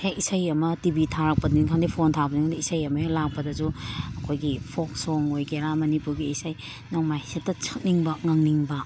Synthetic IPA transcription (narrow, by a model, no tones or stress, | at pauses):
hekisɐjɐmɐtibitʰaɾak̚pɐdiŋkʰaŋdipʰontʰabɐniŋdiisajɐmɐjolak̚pɐdɐzuɐkʰojɡipʰok̚soŋojɡeɾamɐnipuɾɡiisaj | naŋmajsitːɐt͡ʃʰɐ̥k̚niŋbɐŋaŋniŋbɐ